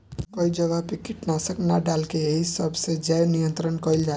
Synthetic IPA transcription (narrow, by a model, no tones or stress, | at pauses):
koid͡ʒəʋapikɪʈnasəknaɖalkeeɦisəbʱsed͡ʒɛjnijə̃nt̪ɾənkɔild͡ʒa